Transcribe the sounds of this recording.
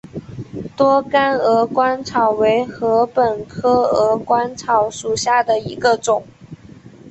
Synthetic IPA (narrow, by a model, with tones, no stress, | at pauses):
t̪wɔ˥ka˥nɤ˧˥kwa˥nt͡sʰɑ˨˩ʊwe˧˥ɪxɤ˧˥pə˨˩nkʰɤ˥ɤ˧˥kwa˥nt͡sʰɑ˧˥ʊʂu˨˩ɕja˥˩d̪ə˩i˧˥ɡə˧ʈ͡ʂʊ˨˩˦ŋ